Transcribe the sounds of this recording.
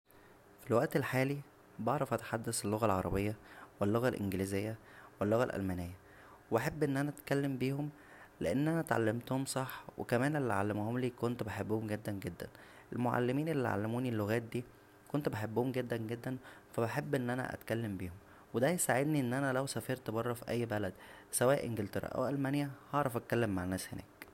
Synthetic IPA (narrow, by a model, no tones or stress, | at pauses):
filwæʔt̪elħaːli | bɑʕɾˤɑfʔæt̪ħad̪ːæselːoɣælʕɑɾˤɑ̰bejːɑwelːoɣælʔḛnɡelizejːæwelːoɣælʔæ̰lmænejːæ | webeħebːʔenːʔænæʔæt̪kælːembiːhom | leʔenːʔænæt̪ʕa̰lːemt̪ohomsˤɑħwḛkæmæːnʔelːiʕa̰lːemohomliːkont̪obeħebːohomɡed̪ːænɡed̪ːæn | ʔelmoʕa̰lːemiːnelːiʕa̰lːæmuːnilːoɣæːt̪̚d̪iː | kont̪obeħebːohomɡed̪ːænɡed̪ːænfæbeħebːʔenːʔænæ̰ʔæ̰t̪kælːembiːhom | wed̪æjesaʕed̪niʔenːʔænælæwsæfiːɾt̪ebɑrˤːɑfiʔæjːbælæd̪ | sæwæːʔʔenɡelt̪eɾˤɑ̰ʔæ̰wʔælmænjæhɑʕɾˤɑfʔæt̪̚kælːemːaʕenːæːshenæ̰ːk